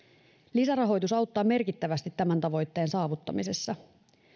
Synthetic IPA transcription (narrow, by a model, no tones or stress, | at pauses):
lisærɑɦo̞jt̪usɑwt̪ːɑːme̞rkit̪ːæʋæst̪it̪ːæmænt̪ɑʋo̞jt̪ːe̞ːnsɑːʋut̪ːɑ̰mise̞sːɑ